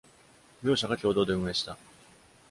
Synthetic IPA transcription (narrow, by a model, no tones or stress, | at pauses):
jʲjo̞ːɕaɡakʲo̞ːd̪o̞ːd̪e̞ɯ̟mɯeɕi̥t̪a